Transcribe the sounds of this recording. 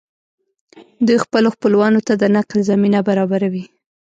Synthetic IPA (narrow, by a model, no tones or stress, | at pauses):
d̪ujxpəloxpəlwɑnot̪ad̪ənaqlzaminabaɾɑbaɾawi